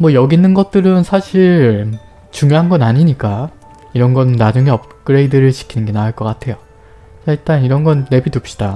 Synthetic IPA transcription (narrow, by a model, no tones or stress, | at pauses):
mwʌjʌɡinːɯnɡʌt̚t͈ɯɾɯnsʰaɕʰiɭ | t͡ɕuŋjoɦanɡʌnaɲiɲik͈a | iɾʌnɡʌnɯnːad͡ʑuŋe̞ʌp̚k͈ɯɾe̞idɯɾɯɭt͡ɕi̥kʰinɯnɡe̞naɭk͈ʌk͈atʰe̞jo | saiɭt͈aniɾʌnɡʌnːe̞bidup̚ɕ͈i̥d̥a